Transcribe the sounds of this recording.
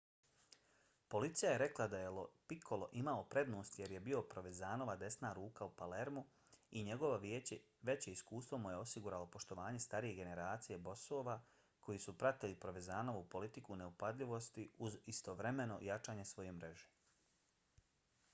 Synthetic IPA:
po̞lit̪sijaje̞ɾe̞klˠad̪ajelopikʰo̞lo̞ʔimaopɾe̞d̪no̞ːst̪je̞ɾje̞bio̞pɾo̞ʋezaːno̞ʋad̪e̞snaːɾuːkaupale̞ɾmu | iɲe̞ɡo̞ʋoʋe | ʋe̞t͡ɕeiskuːst̪ʋo̞muje̞o̞siɡuɾaːlo̞po̞ʃt̪o̞ʋaːɲe̞st̪aɾije̞ɡe̞ne̞ɾaːt̪sije̞bo̞soːʋa | ko̞jiːsupɾat̪ilipɾo̞ʋezaːno̞ʋupo̞lit̪ikune̞upad̪lʎʲiʋo̞st̪iuzist̪oʋɾe̞me̞no̞̰jat͡ʃaːɲe̞sʋo̞jemɾe̞ʒe̥

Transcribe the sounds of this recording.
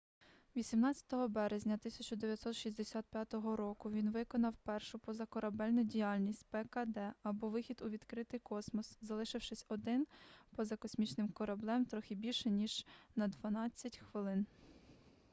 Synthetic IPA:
ʋʲisʲimnɑt͡sʲɐ̥t̪ɔɦɔbɛɾezʲnʲɐt̪ɪsʲɐt͡ʃɔd̪eʋʲjɐt̪sɔt̪ʃiszʲd̪esʲat̪̚pʲjat̪ɔɦɔɾɔkʊʋʲinʋɪkɔnɐwpɛrʃʊpɔzɐkɔɾɐbɛlʲnʊdʲijalʲnʲisʲtʲpɛkɐd̪ɛɐbɔʋɪxʲid̪ʊʋʲid̪kɾɪt̪ɪjkɔsmɔszɐlˠɪʃɪwʃɪsʲɔd̪ɪnpɔzɐkɔsʲmʲit͡ʃnɪmkɔɾɐblˠɛmt̪ɾɔxʲɪbʲilʲʃɛnʲiʒ̥nɐd̪ʋɐnɑt͡sʲːɐtʲxʋɪlˠɪn

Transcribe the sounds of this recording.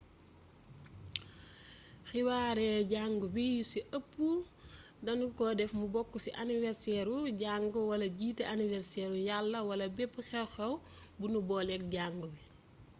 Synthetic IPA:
xiwaːɾɛːɟaŋɡubijusiʔɐpːu | dɐnukɔdɛfmubɔkːusiʔanivɛɾsɛɾuɟaŋɡuwɐlɐɟiːteʔanivɛɾsɛɾujalːɐwɐlɐbɛpːuxɛxɐwbunubɔːlɛk̚ɟaŋɡubi

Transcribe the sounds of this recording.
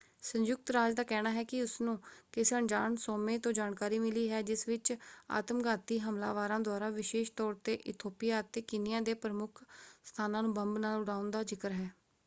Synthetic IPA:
sə̃njʊk̚t̪ɾaːd͡ʒd̪aːkɛːnaːɦɛːkɪʊsnũːkɪsəɳd͡ʒaːnsoːmẽːt̪õːd͡ʒaːnkaːɾiːmɪliːɦɛːd͡ʒɪsʋɪt͡ʃa̰ːt̪əmɡaːt̪iːɦəmla̰ːʋaːɾãːd̪ʊaːɾaːʋɪʃeːʃt̪ɔːɾt̪eːʔɪt̪ʰoːpɪjaːt̪ːeːkɪnɪjãːd̪eːpɾəmʊkʰst̪ʰaːnãːnũːbəmbnaːlʊɽaːʊnd̪aːd͡ʒɪkəɾɦɛː

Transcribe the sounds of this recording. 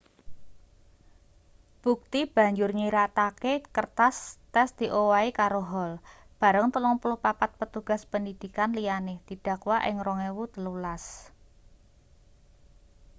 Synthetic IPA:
b̥ṳk̚t̪ib̥a̤ɲd͡ʒʊrɲiɾat̪akekərt̪ast̪ɛsd̪̥i̤ʔowaikaɾoɦɔl | b̥a̤ɾəŋt̪əlɔŋpulʊhpapat̪̚pət̪uɡ̥a̤spəndid̪̥i̤kanlijaned̪̥i̤d̥a̤kwaʔɪ̰ŋrɔŋewut̪əlulas

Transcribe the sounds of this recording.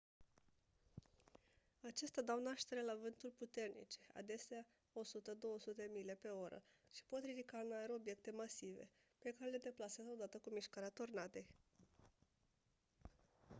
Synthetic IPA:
at͡ʃe̞st̪ead̪awnaʃt̪e̞ɾe̞lavɨnt̪ulʲput̪e̞rnḭt͡ʃe̞̥a̰d̪e̞sea | o̞sut̪əd̪o̞wəsut̪eemile̞pe̞o̞ɾə̰ʃi̥po̞t̪ɾid̪ikanaeɾobje̞k̚t̪e̞masive̞̰ | pe̞kaɾe̞le̞d̪e̞plasezod̪at̪əkumiʃkaɾeat̪ornat̪e̞j

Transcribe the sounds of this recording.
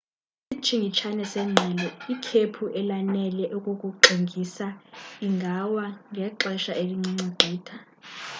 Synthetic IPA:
sit͡ʃʰʼiŋɡʱit͡ʃʰanɛsɛŋ͡ǁʱalɛikʰepʰuʔɛlanɛlɛʔukʼokʼuǃʱiŋɡʱisaiŋɡʱawaŋɡʱɛǁɛʃaʔeliŋ͡ǀiŋ͡ǀuɡ͡ǀʱiːtʰa

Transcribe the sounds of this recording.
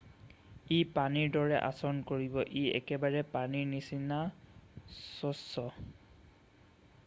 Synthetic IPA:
ipaniɹdɔɹɛʔa̰sɔnkoɹibɔʔiɛ̰kɛbaɹɛpaniɹnisina | sɔsːɔ

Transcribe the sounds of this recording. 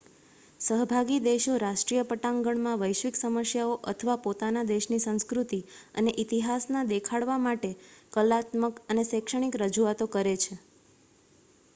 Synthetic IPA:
səɦbʱaɡid̪eʃoɾaʃʈɾijəpəʈãŋɡəɳmãʋəjʃʋiksəməsjaoʔət̪ʰəʋapot̪anad̪eʃnisə̃ñskɾut̪i | əneʔit̪iɦasnad̪ekʰaɽʋamaʈekəlat̪məkənesekʃəɽ̃ikɾəd͡ʒuat̪okəɾet͡ʃʰe

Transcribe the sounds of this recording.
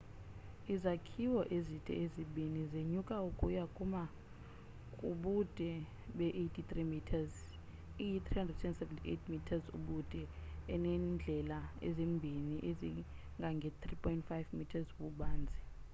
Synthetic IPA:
izakʰiwɔʔezitʼɛ̰eziɓʱinizeɲukʼaukʼujakʼuma | kʼuɓud̥ʼʱɛ | ɓɛʔejtʰit̪rimitʰaz | ijit̪ʰrihandrɛdsɛnsɛvɛntʰiḛtʰmitʰazṵɓud̥ʼʱɛɛnɛnnd͡ɮʱɛlaɛ̰zembʱiniʔezi | ŋɡʱaŋɡʱɛt̪ripʰʼɔintfajvmitʰazɓuɓaːnd͡zʱi

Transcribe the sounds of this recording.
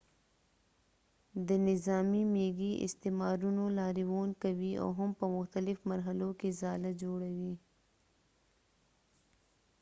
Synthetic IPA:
d̪ənɪzaːmimeːɡiɪ̰st̪eːmaːɾunõlaːɾiwoːnkɐwiɔ̰ːɦɐmpɐmʊxt̪əlɪfmɐɾɦɐlokezaːlɐd͡ʒoːɽɐwi

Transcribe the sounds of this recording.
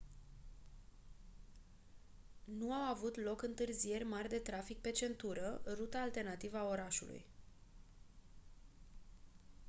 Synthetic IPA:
nuawavut̪lo̞kɨnt̪ɨrzije̞rʲmarʲd̪e̞t̪ɾafik̚pe̞t͡ʃe̞nt̪uɾərut̪aːlt̪e̞rnat̪ivəao̞ɾaʃṵlṵj

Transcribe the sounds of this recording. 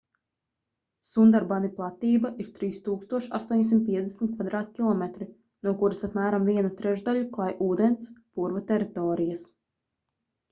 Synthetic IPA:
sund̪aɾbaniplˠat̪iːbaʔiɾt̪ɾiːst̪uːkst̪uɔʃa̰st̪uɔɲsimt̪̚pʲiɛd̪ʲɛsmʲt̪̚kvad̪ɾaːt̪̚kʲilˠɔmɛt̪ɾi | nuɔkuɾasapmæːɾamviɛnut̪ɾɛʒd̪aʎuklˠajʔuːd̪ent̪spuɾvat̪ɛɾit̪ɔːɾijas

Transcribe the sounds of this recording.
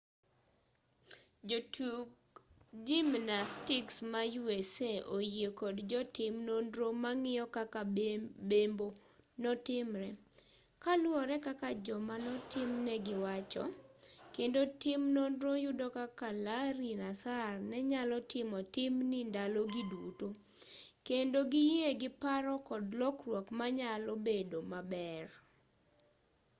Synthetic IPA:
d͡ʒotu | d͡ʒimnastɪksmajueseʔojekodd͡ʒɔtɪmnondɾomaŋɪjɔkakabembo | nɔtɪmɾɛ | kalwɔɾɛkakad͡ʒɔmanɔtɪmnɛɡɪwat͡ʃɔ̰kendotɪmnondɾojʊdɔkakalaɾinasarnɛɲalɔtɪmɔtɪmnɪndalɔɡiduto | kendoɡɪjeɡɪpaɾɔkɔdlɔkrwɔkmaɲalobedomabɛr

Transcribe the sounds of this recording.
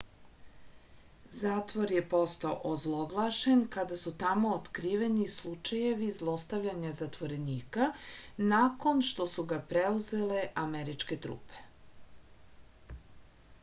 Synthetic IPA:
zaːt̪ʋoɾjepo̞st̪aoʔozlˠoɡlˠaʃenkad̪asut̪amoːt̪kɾiːʋe̞nislˠut͡ʃaje̞ʋizlˠo̞st̪aʋʎaɲazat̪ʋo̞ɾe̞niːkanako̞nʃt̪o̞suɡapɾeuze̞le̞ʔameɾit͡ʃke̞t̪ɾṵːpe̥

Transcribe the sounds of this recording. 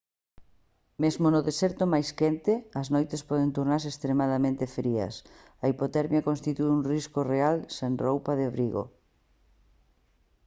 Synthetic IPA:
mezmonʊðesɛɾt̪ʊmajskɛnt̪ɪɐznojt̪espɔð̞ent̪uɾnaɾsest̪ɾemaðamẽnt̪ɪfɾiɐ̰s | ɐipot̪ɛɾmjɐkõnst̪it̪ueuŋriskorealsenrowpaðɪaβɾiɣo̰

